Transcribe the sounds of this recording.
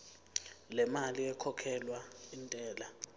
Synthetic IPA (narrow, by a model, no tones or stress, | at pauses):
lɛmaliɛkʰɔkʰɛlwaintʼɛːla